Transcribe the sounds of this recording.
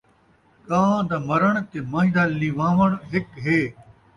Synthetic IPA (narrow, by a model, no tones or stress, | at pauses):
kãːd̪amɐɾəɳ̃k̪emaːɦɪ̃d̪aliʋãːʋəɽ̃ɦɪkɦeː